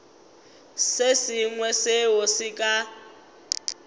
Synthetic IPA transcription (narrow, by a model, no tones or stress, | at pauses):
sesiŋwɛsewosikʼa